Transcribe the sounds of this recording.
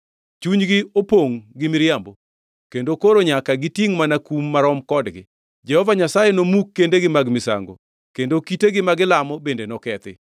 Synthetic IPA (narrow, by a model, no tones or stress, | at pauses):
t͡ʃuɲɡɪopoŋɡɪmɪɾjambo | kendokoɾoɲakaɡɪtiŋmanakumːaɾɔmkɔdɡɪ̰ | d͡ʒɛhɔvaɲasajenomukːendeɡɪmaɡmɪsa̰ŋɡo̰ | kendokiteɡɪmaɡɪlamɔbendenɔkɛt̪ɪ̰